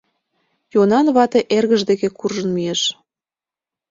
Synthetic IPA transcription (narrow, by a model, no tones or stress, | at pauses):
jonɑnβɑt̪eʔerɣəʒd̪ekekurʒənmijeʃ